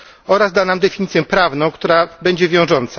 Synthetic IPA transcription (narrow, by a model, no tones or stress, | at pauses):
ɔɾazd̪anamd̪ɛfʲiɲit̪sʲjɛpɾavnɔ̃w̃kt̪uɾabɛɲd͡ʑɛvʲjɔ̃w̃ʐɔnt̪sa